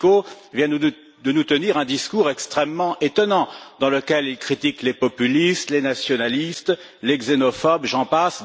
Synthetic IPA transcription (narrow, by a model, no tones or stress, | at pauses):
ko | vjɛ̃ | d̪ənut̪əniʁɛ̃d̪iskuʁɛkst̪χɛmːɑ̃ʔet̪ɔnɑ̃d̪ɑ̃ləkʲɛlilkχit̪iklepɔpylist̪lenasjɔnalist̪ | lɛɡzenɔfɔbʒɑ̃pas